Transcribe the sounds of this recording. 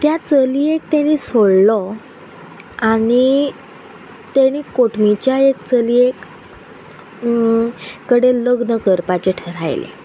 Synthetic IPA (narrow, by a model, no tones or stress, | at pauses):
t̪jat͡səliekt̪añiːsoɽlɔ | aɽ̃i | t̪aɽ̃iːkoʈmit͡ɕjaekt͡səliek | kːəɽeləɡnəkəɾpat͡ɕeʈʰəɾa̰jlḛ